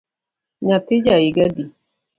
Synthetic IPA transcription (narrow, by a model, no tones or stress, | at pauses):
ɲatɪd͡ʒajiɡadi